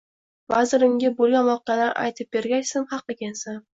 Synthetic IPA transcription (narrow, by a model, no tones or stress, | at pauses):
vazɪɾɪmɡʲabolˠɡʲanvɒqalaɾʔa̰jt̪ʰɪp̚b̥eɾɡʲajsɪmhɑqːɪɡʲansan